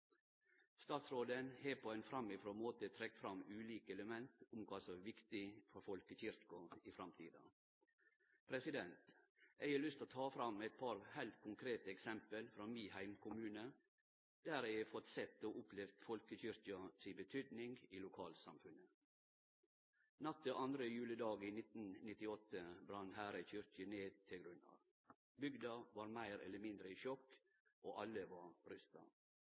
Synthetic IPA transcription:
st̪ɑːt̪sɾoːd̪ənheːpʰoːæɪnfɾɑmːɪfɾoːmoːt̪ət̪ʰɾɛkfɾɑmʉːliːkəɛləmɛnt̪ʊmkʰʋɑːsɔʋɪkt̪ɪfɔɾfɔlkəçɪɾkʊɪfɾɑmt̪ʰḭːd̪ɑ̰ | pʰɾɛsɪd̪ɛnt̪ | ɛɪəlʏst̪oːt̪ʰɑːfɾɑmːæɪt̪̚pʰɑɾhæɪlt̪kʰʊŋkʰɾeːt̪əɛksɛmpəlfɾɑmiːhæɪmkʰʊmʉːnə | d̪̥æɾæɪfɔt̪sɛt̪ːoːʔʊplɛʋd̪fɔlkəçʏɾçɑsɪbət̪ʰyːd̪nɪŋɡiːlʊkʰɑːlsɑ̰mfʉnə | nɑt̪ːəʔɑnd̪ɾəjʉːləd̪ɑːɡiːnɪt̪n̩nɪt̪ɪɔt̪ːəbɾɑnɦæːɾəçʏɾçəneːd̪̚t̪ʰɪlɡɾʉnɑ̰ʋ | bʏɡd̪ɑʋɑːɾmæɪɾɛ̰lːəmɪnd̪ɾəiʃɔkː | ʔoːʔɑlːəʋɑɾʏst̪ɑ̰

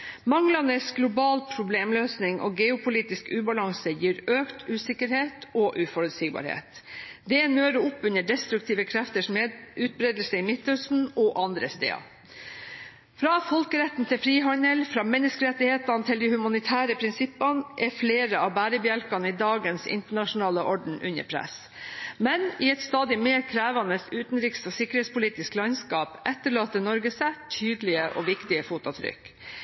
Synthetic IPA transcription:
mɑŋlɑnəsɡlʊbɑːlpʰɾʊbleːmløːsnɪŋʔo̰ɡɛʊpʰʊliːt̪ɪskʉːbɑlɑŋsəjiːɾøːkt̪ʰʉːsɪkəɾheːt̪ɔʔʉːfɔɾʉlsɪɡbɑ̰ːɾhḛːt̪d̪ɛnøːɾəʊpːʉnəɖɛst̪ɾʉk̚t̪ʰiːʋəkʰɾɛft̪əʂmʉːt̪̚bɾeːd̪l̩səɪmɪt̪ːœsn̩ɔʔɑnd̪ɾəst̪ḛːɑ̰ | fɾɑːfɔlkəɾɛt̪ːn̩t̪ʰɪfɾiːɦɑnɛlfɾɑːmɛnːəskəɾɛt̪ːɪheːt̪ɑnt̪ʰɪld̪ɪhʉmɑnɪt̪ʰæːɾəpʰɾɪnsɪpːɑnʔɛfleːɾəɑʋbæːɾəbjɛlkɑnɪd̪ɑːɡənsɪ̰nt̪əɳɑʂʊnɑːləʔɔɖɳ̩ʔʉ̰nə̰ɾpʰɾɛ̰s | mɛnɪɛt̪st̪ɑːd̪ɪmeːɾkʰɾæːʋɑnəsʉːt̪n̩ɾiːkst̪osɪkːəɾhet̪spʊliːt̪ɪsklɑɲskɑːpʔɛt̪ːəɭɑːt̪ənɔɾɡəsæt̪ʰyːd̪lɪəʔoʋɪkt̪ɪəfuːt̪ʊt̪ʰɾʏ̰k

